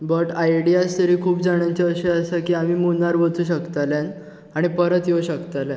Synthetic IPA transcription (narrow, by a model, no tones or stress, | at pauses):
bəʈajɽijast̪əɾiːkʰuːpd͡zaɳ̃jat͡ɕeəɕeəsakiːamiːmunaɾʋəd͡zuːɕ̬əkt̪alãn | aɽ̃ipəɾət̪jewɕəkt̪aljã